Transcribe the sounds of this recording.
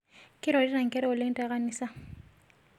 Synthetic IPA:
kʼɪɾɔ˨di˦na˨ŋ̩˨kʼɛ˦ɾɛʊ˨lɪn̩˦tʼaɣa˦niːsa˦

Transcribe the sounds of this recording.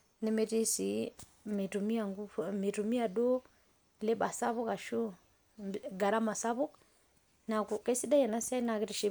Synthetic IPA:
ne˦me˨ti˦si˨˦ | mi˨tu˨mi˦a˨ŋɡu˦fmi˨tu˨mi˦a˨do˦ | le˦ba˨sa˦βu˦ka˨ʃu˦ | ɡa˨ɾa˦ma˨sa˦βu˦k | na˨ku˨kɛ˦si˦da˦jɛ˨na˦sɛ˦na˨ki˨˦ɾi˨ʃi˦

